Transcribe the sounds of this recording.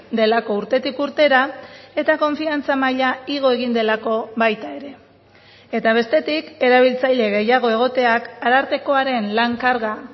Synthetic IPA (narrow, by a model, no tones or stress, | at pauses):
d̪e̞lako̞uɾt̪e̞t̪ikuɾt̪e̞ɾae̞t̪ako̞ɱfiant͡samaʎaiɣ̞o̞e̞ɣ̞ind̪e̞lako̞βajt̪ae̞ɾe̞ | et̪aβ̞e̞st̪e̞t̪ike̞ɾaβ̞ilt͡sajʎe̞ɣe̞jaɣ̞o̞e̞ɣ̞o̞t̪e̞akaɾaɾt̪e̞ko̞aɾe̞nlaŋkaɾɣa